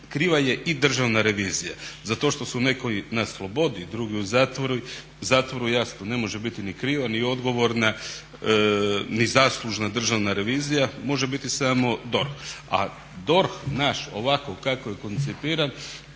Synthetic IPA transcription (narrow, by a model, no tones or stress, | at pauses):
kɾiːʋaje̞ʔid̪r̩ʒaʋnaɾe̞ʋiːzijazat̪o̞ʃt̪o̞sune̞koinaslˠo̞bo̞d̪id̪ɾuːɡiuzaːt̪ʋoɾu | uzaːt̪ʋo̞ɾujasnone̞mo̞ʒebit̪inikɾiːʋanio̞d̪ɡo̞ʋo̞ɾna | nizaːslˠuʒnad̪r̩ʒaʋnaɾe̞ʋiːzijamo̞ʒebit̪isaːmo̞d̪o̞ɾxa̰ | d̪o̞ɾxnaʃo̞ʋakokakojeko̞nt̪sipiːɾan